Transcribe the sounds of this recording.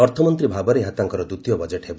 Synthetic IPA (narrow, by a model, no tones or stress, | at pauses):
ɔɾt̪ʰɔmɔnt̪ɾibʱabɔɾeɦat̪aŋkɔɾɔd̪ut̪jɔbɔd͡ʒeʈɦeb